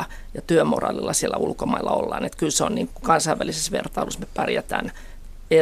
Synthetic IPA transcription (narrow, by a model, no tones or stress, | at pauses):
jɑt̪yømo̰rɑ̰ːlilːɑsielːæulkomɑilːɑo̰lːɑ̰ːnet̪kylseonniːŋkukɑnsɑiʋælisesʋert̪ɑilusmepærjæt̪æ̰ːn | e